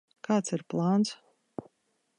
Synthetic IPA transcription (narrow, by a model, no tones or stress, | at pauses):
kaːt̪siɾplˠaːns